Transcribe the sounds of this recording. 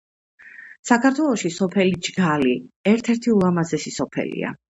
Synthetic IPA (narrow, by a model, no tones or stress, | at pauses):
sakʰaɾt̪ʰwɛlˠɔʃisɔpʰɛlid͡ʒɡaliɛɾt̪ʰɛɾt̪ʰiulˠamazɛsisɔpʰɛ̰lḭa̰